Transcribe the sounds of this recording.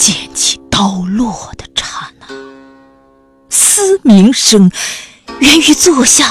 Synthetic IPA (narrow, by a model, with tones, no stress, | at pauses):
t͡ɕjɛ˥˩nt͡ɕʰi̥˧˩t̪ɑ˥ʊlwɔ˥˩d̪ə˨ʈ͡ʂʰa˧˥˩na˧˥˦ | sɹ̩˥mi˧˥ŋʂɤ˥ŋ | ɥɛ˧˥ny˧˥t͡swɔ˥˧ɕja˥˩